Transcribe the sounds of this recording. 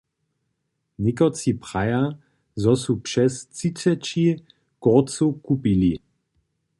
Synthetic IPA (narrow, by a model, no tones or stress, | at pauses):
nikɔt͡sipʁaja | zɔsupʃɛst͡sit͡sɛt͡ʃi | kɔt͡sukupili